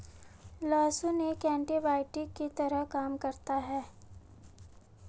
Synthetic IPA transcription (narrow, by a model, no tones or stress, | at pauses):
lɔːsõnekɛ̃ːɳʈibaːɪʈɪkit̪ɐɾəɦkaːmkɐɾt̪aɦɛː